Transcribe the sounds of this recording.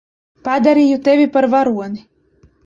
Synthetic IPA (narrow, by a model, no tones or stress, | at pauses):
pad̪aɾʲijut̪evʲipaɾvaɾuɔni